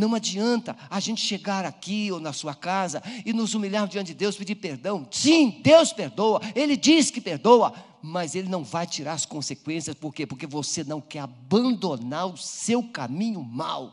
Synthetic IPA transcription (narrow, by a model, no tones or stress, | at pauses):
nɐ̃w̃ad͡ʒiɐ̃nt̪ɐaʒẽnt͡ʃɪ̥ʃeɡaɾakionɐsuɐkazɐɪnʊzumiʎaɾmʊzd͡ʒiɐ̃t͡ʃɪd͡ʒɪd̪ewsped͡ʒiɾpeɾd̪ɐ̃w̃sĩd̪ewspeɾd̪owɐelɪd͡ʒisɪ̥kɪpeɾd̪owɐ | mɐzelɪnɐ̃w̃vajt͡ʃiɾaɾɐskõsekwẽsiɐspoɾkepoɾkevosenɐ̃w̃kɛɾabɐ̃nd̪onaɾʊsewkamĩɲʊma̰w